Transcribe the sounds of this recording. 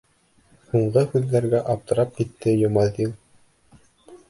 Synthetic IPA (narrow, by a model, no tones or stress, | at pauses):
huɴɢɤhʉðːæɾɡæʔɑp̚t̪ɤ̆ɾɑp̚kit̪ːɘjŏmɑðilˠ